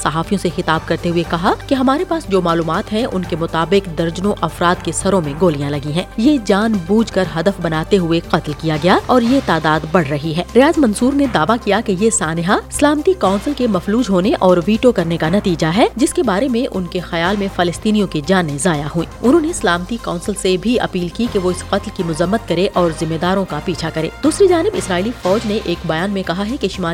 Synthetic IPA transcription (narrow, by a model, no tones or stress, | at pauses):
sɐɦaːfijõsexɪt̪aːb̚kɐɾt̪eɦuekɐɦakeɦɐmaːɾepaːsd͡ʒoːmaːluːmaːt̪ɦɛ̃ʔʊnkemʊt̪aːbɪqd̪ɐɾd͡ʒnõʔɐfɾaːd̪kesɐɾõmẽɡoːlijãlɐɡĩɦɛ̃ːjed͡ʒaːnbuːd͡ʒkɐɾɦɐd̪əfbɐnaːt̪eɦʊeqɐt̪lkijaɡɐjaɔːɾjet̪aːd̪aːd̪bɐɽ̤ɾɐɦiɦɛːɾɪjaːzmɐ̃nsuːɾned̪aːʋakijakejesaːnɪɦaslaːmət̪ikaːnsəlkemɐfluːd͡ʒɦoːneʔɔːɾʋiːʈokɐɾnekanɐt̪iːd͡ʒaɦɛd͡ʒɪskebaːɾemẽʔʊnkexɐjaːlmẽfɐlɪst̪iːnijõked͡ʒaːnẽzaːjaɦuḭ̃ːʊnɦõːneɪslaːmət̪ikaːnsɪlsebʱiɐ̰piːlkikeʋoɪsqɐt̪lkimʊzəmːət̪̚kɐɾeʔɔːɾzɪmːeːd̪aːɾõkapiːt͡ʃʰakɐɾḛ̃ːd̪̥uːsɾid͡ʒaːnɪbɪsɾaːilifɔːd͡ʒneʔeːkbɐjaːnmẽkɐɦaɦɛkeʃɪmaː